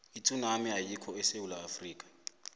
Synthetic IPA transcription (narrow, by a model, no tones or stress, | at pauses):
itʰʼunamiɦajikʰɔɛsewulaːfriːkʼḁ